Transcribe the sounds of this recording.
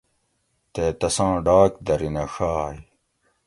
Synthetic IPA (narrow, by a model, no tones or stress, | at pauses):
t̪eːt̪ɐsãːɖaːkd̪ɐɾinɐxaːj